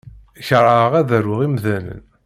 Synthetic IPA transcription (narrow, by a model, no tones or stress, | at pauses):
çəɾˤəəʁæðəɾwəʁimðælə̰n